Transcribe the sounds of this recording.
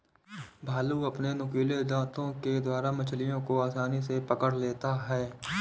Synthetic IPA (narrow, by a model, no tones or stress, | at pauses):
bʱaːluɐpnenʊkiːled͡ʒãːt̪õked̪waːɾamɐt͡ʃʰlijõkoaːsaːnisepəkəɽleːt̪aɦɛː